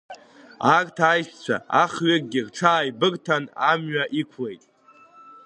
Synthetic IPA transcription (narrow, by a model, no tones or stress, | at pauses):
akʼtʰajʃt͡sʷʰa̰aχɥek̚ʼɡʲirʈ͡ʂʰaːjbɨrtʰanamɥaʔikʷʰle̞jtʼ